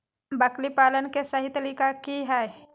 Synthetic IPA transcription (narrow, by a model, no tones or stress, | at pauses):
bəklipaːlənkesəɦit̪əlikakiɦɛe